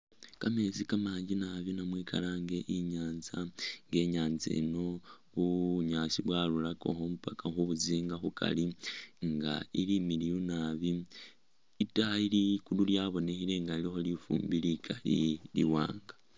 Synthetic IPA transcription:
kame̞zikamaːɲɟinaβinamwiːkʰa̰laŋɡe̞ʔiɲaːnzaŋɡe̞ɲaːnzḛno̞βuβuɲaːsiβwaːlulako̞̰xomupakaxuβuziːŋɡaxukʰa̰liŋɡailimilijunaːβi | itahailikululjaβo̞ne̞hile̞ŋɡalixo̞lifṵːmbilikʰalḭliwa̰ːŋɡa

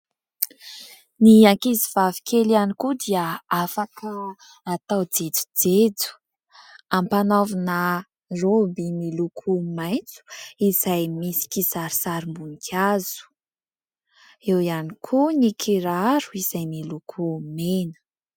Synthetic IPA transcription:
niaŋkiziv̥avi̥kʰelanikud̪iəafakə | at̪awd͡zed͡zu̥d͡zed͡zu̥ | ampanavinə | robimilukʰumajnt͡su̥iz̥ajmisi̥kisaɾi̥saɾimbunikʰʲaz̥u̥ | ewianikʰunikʰiɾaɾuiz̥ajmilukʰumenə̥

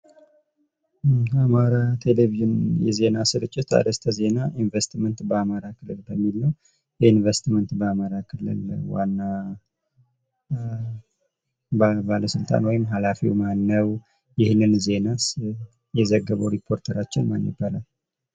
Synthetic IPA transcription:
amaɾat̪ʰe̞leviʒɨnjɛ̰ze̞nasɨɾɨt͡ʃʼːɪt̪a̰d̪əst̪ʰəze̞naʔinvest̪mənt̪bəamaɾakʰɨlɨlbəmːilːəw | jɛinvest̪mənt̪bəamaɾakʰɨlɨ̰lwa̰nːa | babaləsɨlt̪ʼa̰nwɔjɪmɦalafḭwmanːəw | jɪhnɨnze̞nas | jɛzəɡːəβəwɾipʰo̞ɾt̪ʰəɾat͡ʃːɪnma̰nːḭbalal

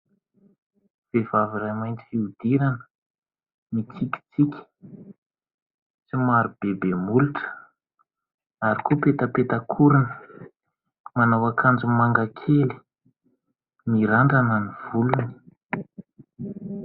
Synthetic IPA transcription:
v̥evaviɾajmajnt͡si̥fiud̪̥iɾanə̥ | mit͡sikʲi̥t͡sikʲə̥ | t͡simaɾub̥ebemuluʈ͡ʂə̥ | aɾikopet̪əpet̪akʰuɾinə̥ | manawakʰand͡zumaŋɡakʰeli̥ | miɾaɳɖ͡ʐananiv̥uluni̥

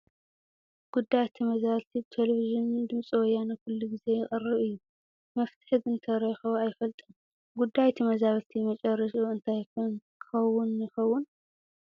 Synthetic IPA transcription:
ɡ̥ud̪ːajt̪ʰɨmɐzaβlt̪ʰibt̪ʰeleviʒɪnd̪ɨmsʼɨwɔjanɨkʰʊlːuɡize̞jɪχʼɨrːɨβɨjːu | mɐft̪ʰɨ̥ħzɨnt̪ʰɐɾɐjxɐβajfɐlt̪ʼɨm | ɡud̪ajt̪ʰɨmɐzaβlt̪ʰimɐt͡ʃʼɐrɐʃuɨnt̪ʰajkʰɨnkʰɨ̥xɐwːʊnːɨxɐwːʊn

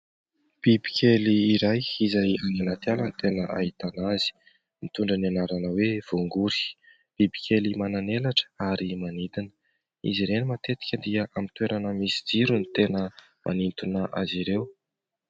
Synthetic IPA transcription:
b̥ibi̥kʲʰeliːɾajizajananat̪jalənit̪enəʔa̰ɦit̪anazi̥ | mit̪uɳɖ͡ʐananaɾanəwev̥oŋɡuɾi̥ | b̥ibikʲʰelimananelaʈ͡ʂə̥aɾimanid̪inə̥ | ḭziɾenimat̪et̪i̥kʲəd̪iəʔamit̪weɾanəmisid͡ziɾunit̪enə | mʔa̰nint̪unəʔa̰ziɾew

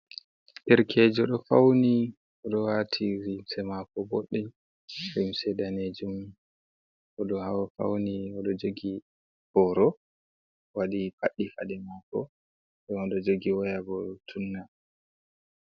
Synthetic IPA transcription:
ɗɛɾkʰeːd͡ʒɔɗɔfawni | ɔɗɔwatʰiɾimsɛmakɔboɗːɛ | ɾimsɛɗaned͡ʒum | ʔɔɗɔhawafa̰wniɔɗɔd͡ʒoɡi | hɔɾɔ | waɗipa̰ɗːifadɛmakɔ̰ | ɗɔnɔɗɔd͡ʒoɡiwajaɡɔtʰunːa

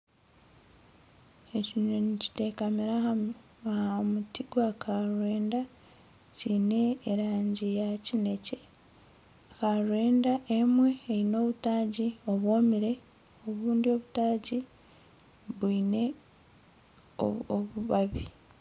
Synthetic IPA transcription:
eciɲonici̥te̞kamiɾaha | mutiɡwakʰaɾwe̞ːnda | cine̞ːɾaːɲɟijacine̞ce̞ | kaɾwe̞ːndaʔe̞mwe̞ːino̞ːβutaːɟio̞βwo̞ːmiɾe̞ | o̞βuːndio̞βutaːɟi | βiːne̞ | o̰oβuβaβi

